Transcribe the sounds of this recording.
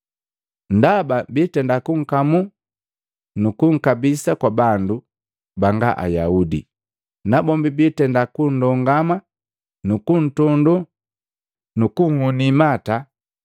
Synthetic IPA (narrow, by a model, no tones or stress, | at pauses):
n̩dababitɛndakuŋ̩kamu | nukuŋ̩kabisakwabandu | baŋɡaʔa̰jaudḭ | nabɔmbibitɛndakun̩dɔŋɡama | nukun̩tɔndu | nukuŋhunimata